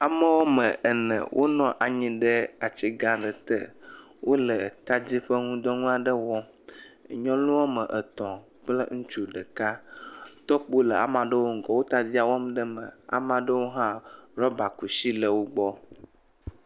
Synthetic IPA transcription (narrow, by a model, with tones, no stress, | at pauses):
a˨mə˦wɔ˦mə̃˨ʔə˨nə̰̃˨wʔo̰˦nɔ̃˦ʔa˨ɲĩ˨ɖə˦a˨t͡ɕi˦ɡã˦ɖə˨t̪ə̰˦˨ | wʔo˦lə˨t̪a˦d͡ʑi˦ɸə˦ŋũ˦d̪ɔ˦ŋũ˦a˨ɖə˦wɔ˦˨ | ɲɔ̃˦lũ˦wɔ˦mə˨ʔə˨t̪ɔ̃˨ | k͡plə̰˦ŋũ˦t͡ʃu˦ɖə˨ka˦t̪ɔ˦k͡po˦lə˨a̰˨mã˨ɖə˦wo˦ŋ̩˨ɡɔ˨wo˦t̪a˨d͡ʑi˦a˨wɔ˦mɖə˦mə̰̃˨a̰˨mã˨ɖə˦wo˦ɦã˦ɾɔ˦ba˨ku˨ʃi˦lə˨wo˦ɡ͡bɔ˦